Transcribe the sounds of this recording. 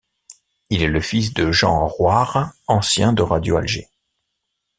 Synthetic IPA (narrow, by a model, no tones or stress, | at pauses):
ilɛləfis̬d̪əʒɑ̰̃ʁwaʁɑ̃sjɛ̃d̪əʁad̪joa̰lʒe